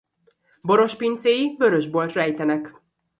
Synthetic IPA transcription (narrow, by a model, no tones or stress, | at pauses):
bo̞ɾo̞ʃpint̪seːjivøɾøʒbo̞lt̪rɛjt̪ɛnɛk